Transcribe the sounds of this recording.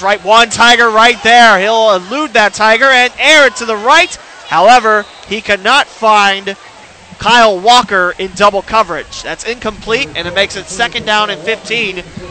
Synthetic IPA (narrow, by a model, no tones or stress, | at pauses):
ɹaɪt̚wʌ̃ntʰaɪɡə˞ɹaɪt̪̚ðə˞hilˠəlʉd̪̚ðɨtʰaɪɡə˞ɨ̃nɛɹɨtʰɨðəɹaɪt̚ | haʊɛvə˞ | ikʰænətfãɪ̃nd | kʰaɪl̩ˠwɔkə˞ɪ̃ndʌbl̩ˠkʰʌvə˞ɪ̥d͡ʒðætsɪ̃nkʰə̃mpʰl̥iɾɨ̰̃nɨt̚meɪksɨtsɛkɨ̃ndãʊ̃nɨ̃nfɪftʰĩn